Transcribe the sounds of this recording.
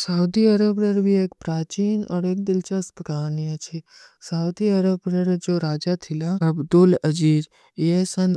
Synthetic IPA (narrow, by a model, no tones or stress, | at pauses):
sɐud̪iɐɾəbɾɐɾbieːkpɾaːt͡ʃiːnɔ̰ːɾeːk̚d̪ɪlt͡ʃaspəkaːɾniat͡ʃʰi | sɐud̪iɐɾəbɾɐɾd͡ʒoːɾaːd͡ʒat̪ʰilaɐbd̪ʊlɐd͡ʒiːɾ | esɐn